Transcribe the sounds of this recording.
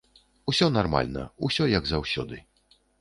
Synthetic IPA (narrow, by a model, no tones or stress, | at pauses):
usʲɔnarma̰lʲnɐ̰usʲɔjɐɡzawsʲɔ̰d̪ɨ